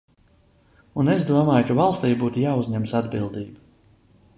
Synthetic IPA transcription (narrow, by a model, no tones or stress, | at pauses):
unezd̪uɔmaːjkavalˠst̪iːjbuːt̪ujaːuzʲɲɛmsad̪bilˠd̪iːbu